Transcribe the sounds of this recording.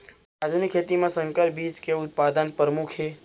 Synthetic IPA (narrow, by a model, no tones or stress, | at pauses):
ad̪ʱunɪkʰeːt̪imãsə̃ŋkəɾbit͡ʃkeʊt̪̚pad̪ənpɾəmukʰe